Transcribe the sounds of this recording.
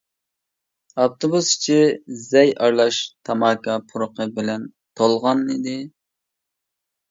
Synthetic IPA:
ɑp̚t̪ʰobusi̥t͡ʃʰɪzɛjɑɾlˠɑʃt̪ʰɑmɑːkɑpʰuɾʊqəbɪlɛn | t̪ʰolˠʁɑnid̪ɪ

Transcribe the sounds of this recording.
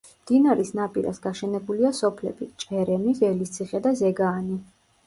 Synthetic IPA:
md̪̥inaɾisnapʼiɾa̰sɡaʃɛnɛbuliasɔpʰlɛ̰bit͡ʃʼɛɾɛmiɣɛlist̪sʰiχɛd̪azɛɡaːni

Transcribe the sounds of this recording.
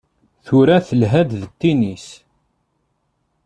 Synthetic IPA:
θuɾæθəlɦæd̪ðət̪ːinis

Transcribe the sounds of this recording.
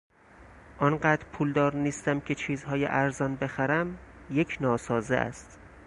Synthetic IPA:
ʔɒnɢæːd̪ɾpʰuːld̪ɒːɾniːst̪æmcʰe̞t͡ʃʰiːzɦɒːjḛʔæɾzɒːnbe̞xæɾæmjecʰnɒːsɒːzḛʔæ̰st̪

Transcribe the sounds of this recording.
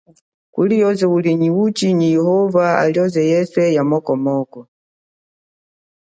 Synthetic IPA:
kṵlijɔzɛuliɲiut͡ʃiɲijɛhɔvaa̰liɔzɛjɛsɛjamɔkɔmɔkɔ

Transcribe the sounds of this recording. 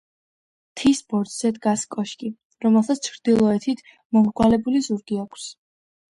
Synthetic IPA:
t̪ʰisbɔɾd̪z̥ɛd̪ɡaskʼɔʃkʼi | ɾɔmɛlˠsat̪st͡ʃʰɾd̪̥ilˠɔɛt̪ʰit̪ʰ | mɔmɡwalɛbulizuɾɡiakʰs

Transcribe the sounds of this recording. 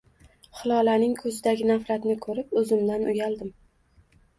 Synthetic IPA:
χɨlˠɒlanɪŋkʰɵzɪd̪aɡʲɪnafɾat̪nɪkʰɵɾɪpɵzɪmd̪anʔʊjald̪ɪm

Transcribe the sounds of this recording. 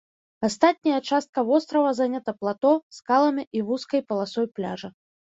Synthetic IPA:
ast̪at̪̚ʲnʲɐjɐt͡ʂast̪̚kɐvɔst̪ɾɐvɐzanʲat̪ɐplˠat̪ɔskalˠɐmʲiʔivuskɐjpɐlˠasɔjplʲa̰ʐɐ

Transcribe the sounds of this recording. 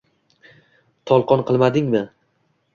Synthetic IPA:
t̪ʰɒlˠqɒnqʰɨlˠmad̪ɪŋmɪ

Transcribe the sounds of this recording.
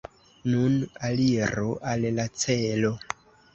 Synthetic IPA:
nunaliɾoʔallat͡selo̞

